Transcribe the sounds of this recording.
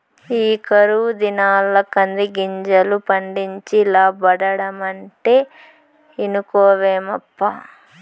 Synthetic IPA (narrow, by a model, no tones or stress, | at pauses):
iːkɐɾud̪inaːlːɐkɐnd̪iɡiɲd͡ʒɐlupɐɳɖiɲt͡ʃilaːbɐɽɐɽɐmɐɳʈeː | inukoːʋeːmɐpːa